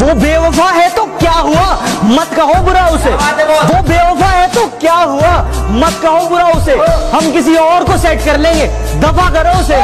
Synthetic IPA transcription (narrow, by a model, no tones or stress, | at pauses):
ʋoːbeːʋəfaɦɛt̪okjaːɦuamɐt̪kɐɦobʊɾaʊseʋoːbeːʋəfaɦɛt̪okjaːɦuamɐt̪̚kɐɦobʊɾaʊseɦɐmkɪs̬iɔːɾkosɛːʈkɐɾlẽːŋɡeː | d̪ɐfakɐɾoʊs̬e